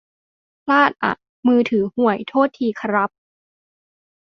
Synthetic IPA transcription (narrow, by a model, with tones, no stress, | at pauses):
pʰlaː˥˩t̪̚ʔa̰˨˩ | mɯː˧t̪ʰɯː˩˦hu˩˦əjt̪ʰoː˥˩t̪ʰːiː˧kʰa˧ɾa˦˥p̚